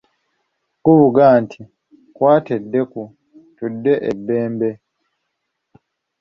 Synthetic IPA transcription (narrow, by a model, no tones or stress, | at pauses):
kuβuɡaːntʰi | kwaːtedːe̞ku | tudːe̞ʔebːe̞ːmbe̞